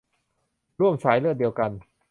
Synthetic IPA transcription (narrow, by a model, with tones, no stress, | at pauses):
ɾu˥˩əmsaː˩˦jlɯ˥˩ət̚di˧wka˧n